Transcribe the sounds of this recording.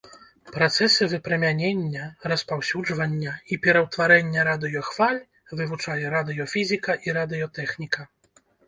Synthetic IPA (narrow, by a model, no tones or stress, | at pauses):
pɾat̪sɛsɨvɨpɾɛmʲanʲenʲːɐɾɐspawsʲud͡ʐvɐnʲːɐipʲɛɾɐwt̪vaɾɛnʲːɐɾad̪ɨjɔxv̥alʲ | vɨvut͡ʂajɛɾad̪ɨjɔfʲizʲikɐʔiɾad̪ɨjɔt̪ɛxnʲikɐ